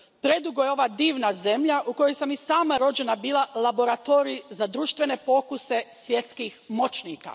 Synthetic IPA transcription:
pɾe̞d̪uɡojeo̞ʋaːd̪iːʋnaze̞mʎaʔuko̞jojsamisaːmaɾo̞d͡ʑe̞nabiːlˠalˠabo̞ɾat̪oːɾizad̪ɾuːʃt̪ʋe̞ne̞po̞kuse̞sʋje̞t̪skixmo̞t͡ʃniːka̰

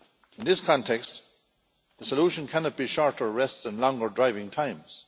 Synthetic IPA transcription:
ɪ̃nðɪskʰɔ̃ntʰɛkst | ðəsəluʃə̃nkʰænɑt̚b̥iʃɔɹtə˞ɹɛstsə̃nlɔ̃ŋɡə˞dɹaɪvɪ̃ŋtʰãɪ̃mz̥

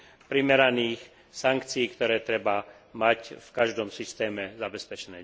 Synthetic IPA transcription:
pɾimɛɾaniːx | saŋkt͡siiːkt̪ɔɾɛːt̪ɾɛba | macfkaʒd̪ɔmsist̪ɛːmɛzabɛspɛt͡ʃɛnɛː

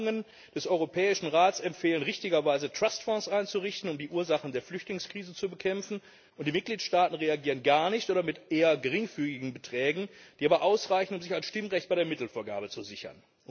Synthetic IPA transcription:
ŋən | d̥ɛsʔɔʏʁopʰɛːɪʃn̩ʁaːtsɛmfeːlənʁɪçtɪɡɐvaɪzətʁ̥astfɔ̃sʔaɪnt͡suʁɪçtn̩ʊmdiːʔuːɐzaχn̩deːɐflʏçtlɪŋskʁ̥iːzət͡subəkʰɛmfn̩ | ʊntd̥iːmɪt̚ɡ̥liːtʃtaːtn̩ʁeaɡiːʁənɡaɐnɪçtʔoːdɐmɪtʔeːɐɡəʁɪŋfyːɡɪɡŋ̩bətʁ̥ɛːɡŋ̩d̥iːʔaːbɐʔaʊsʁaɪçn̩ʊmzɪçaɪnsʃtɪmʁɛçt̚b̥aɪdeːɐmɪtl̩foːɐɡa̰ːbət͡suzɪçɐ̰n

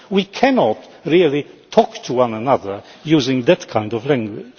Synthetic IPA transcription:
wikʰænɔt | ɹilˠitʰɔktʰəwʌ̃nənʌðə˞jʉzɪ̃ŋðɨt̚kʰãɪ̃ndɔvlæ̃ŋɡwɪ̰d̥

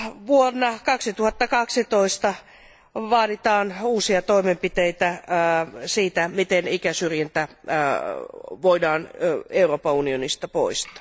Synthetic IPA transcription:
ʋuonːɑkɑksit̪uhɑt̪ːɑkɑksit̪oist̪ɑ | ʋɑːdit̪ɑːnuːsiɑt̪oimempit̪eit̪æ | siːt̪æmit̪enikæsyrjænt̪æ | ʋoidɑːneuroːpɑunionist̪ɑpo̰ist̪ɑ̥ː

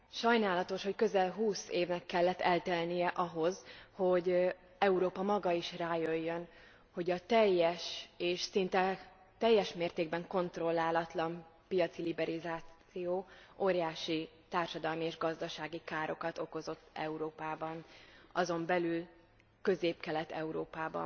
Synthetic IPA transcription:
ʃɒjnaːlɒt̪o̞ʃho̞ckø̞zɛlɦuːseːvnɛkːɛlːɛt̪ːɛlt̪ɛlnijɛʔɒɦo̞zho̞ɟ | ɛuɾoːpɒmɒɡɒiʃraːjøjːøn | ho̞ɟɒt̪ɛjːɛʃeːʃsint̪ɛ | t̪ɛjːɛʃmeːrt̪eːɡ̚bɛŋko̞nt̪ro̞lːaːlɒt̪lɒmpijɒt̪silibɛɾizaːt̪sijoːoːɾjaːʃi | t̪aːrʃɒd̪ɒlmieːʒɡɒzd̪ɒʃaːɡikaːɾʔo̞kɒt̪o̞ko̞zo̞t̪ːɛ̰uɾoːpaːbɒnɒzo̞mbɛlyl | kø̞zeːpkɛlɛt̪ɛ̰uɾoːpaːbɒ̰n

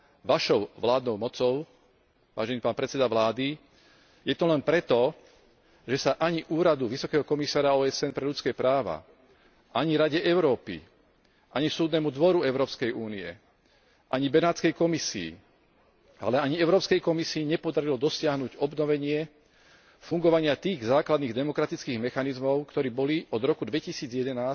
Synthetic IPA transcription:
ʋaʃɔʊʋlaːd̪nɔʊmɔt͡sɔʊ | ʋa̰ːʒɛniːpaːnpɾɛt͡sɛd̪aʋlaːd̪i | jɛt̪ɔlɛnpɾɛt̪ɔ | ʒɛsaʔaɲiʔuːɾad̪uʋisɔkɛːɦɔkɔmisaːɾaɔːɛsɛnpɾɛʎut͡skɛːpɾaːʋa̰ | ʔaɲiɾaɟɛʔɛʊɾɔːpḭ | ʔaɲisuːd̪nɛmud̪ʋɔɾuɛʊɾɔːpskɛjuːniɛ̰ | ʔaɲibɛnaːt͡skɛjkɔmisḭː | a̰lɛaɲiɛʊɾɔːpskɛjkɔmisiːɲɛpɔd̪aɾilɔd̪ɔsɪaɦnuːɟɔbnɔʋɛɲɪɛ | fuŋɡɔʋaɲɪat̪iːɣzaːklad̪niːɣd̪ɛmɔkɾat̪it͡skiːɣmɛxanizmɔʊkt̪ɔɾiːbɔliɔd̪ɾɔkud̪ʋɛcisiːd͡zɪjɛd̪ɛnaːs

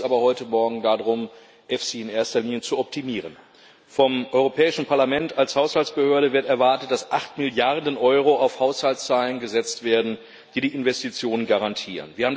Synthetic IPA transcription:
ʔaːbɐhɔʏtəmɔɐɡŋ̩dadʁʊm | ʔɛfsiɪnʔeːɐstɐliːnjət͡suɔp̚tʰimiːʁ̞ən | fɔmʔɔʏʁopʰɛːɪʃn̩pʰaɐlamɛntalshaʊshalt͡sb̥əhøːɐɾəvɪɐtɛɐvaɐtət̚d̥asʔaχtmɪljaʁdənʔɔʏʁ̞oaʊfhaʊshalt͡st͡saːlənɡəzɛt͡stv̥eːɐdn̩ | d̥iːdiːʔɪnvɛstit͡sjoːnənɡaʁantʰiːʁə̰nviːɐhaːm̩

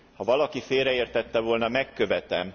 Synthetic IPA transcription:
hɒvɒlɒkifeːrɾɛeːrt̪ɛt̪ːɛvo̞ːlnɒmɛkːø̞vɛt̪ɛm

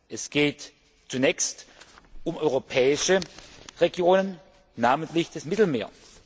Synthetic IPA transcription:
ʔɛsɡ̥eːt | t͡sunɛːçst | ʔʊmʔɔʏʁopʰɛːɪʃəʁeɡjoːnən | naːməntlɪçd̥asmɪtl̩meːɐ

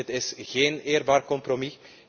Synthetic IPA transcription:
ətɪsɣeːneːrbaːrkɔmprɾomi

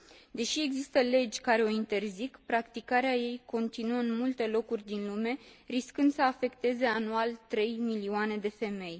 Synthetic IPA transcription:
d̪e̞ʃie̞ɡzist̪əle̞d͡ʒʲkaɾe̞o̞int̪e̞rzikpɾakt̪ikaɾeaje̞jko̞nt̪inuəɨnmult̪e̞lo̞kurʲd̪inlume̞riskɨnd̪səafe̞kt̪e̞ze̞anualt̪ɾe̞jmilioane̞d̪e̞fe̞me̞j

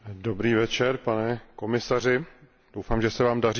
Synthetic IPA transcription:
do̞bɾiːvɛt͡ʃɛɾpanɛko̞mɪsar̝ɪ | d̥owfaːmʒɛsɛvaːmdar

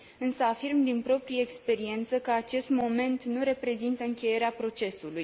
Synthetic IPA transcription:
ɨnsəafirmd̪inpɾo̞pɾijəekspe̞ɾie̞nt̪səkəat͡ʃe̞st̪mo̞me̞nt̪nuɾe̞pɾe̞zint̪əɨŋkʲe̞je̞ɾeapɾo̞t͡ʃe̞suluj

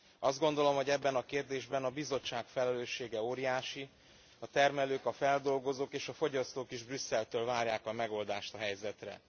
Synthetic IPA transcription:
ɒzd̪̚ɡo̞nd̪o̞lo̞mɦo̞ɟɛbːɛnɒkeːrd̪eːʒbɛnɒbizo̞t͡ʃːaːkfɛlɛløːʃːeːɡɛoːɾijaːʃi | ɒt̪ɛrmɛløːkɒfɛld̪o̞lɡo̞zoːkeːʃɒfo̞ɟɒst̪oːkiʒbrysːɛlt̪øːlvaːrjaːkɒmɛɡo̞ld̪aːʃt̪ɒɦɛjzɛt̪rɛ̰

